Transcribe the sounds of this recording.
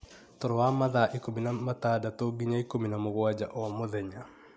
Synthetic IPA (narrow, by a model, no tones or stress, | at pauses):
tɔɾɔwamaðaʔikominamatadatoɡiɲaikominamoɣwad͡ʒa̰ʔɔmoðɛɲa